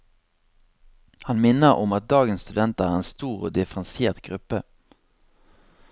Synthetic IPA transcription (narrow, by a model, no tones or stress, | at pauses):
hɑnmɪnəʁɔmɑt̪̚d̪ɑːɡənst̪ʉd̪ɛnt̪əæːʁeːnst̪uːʁo̰ːd̪ɪfʁənsjeːʁt̪ɡʁʉpə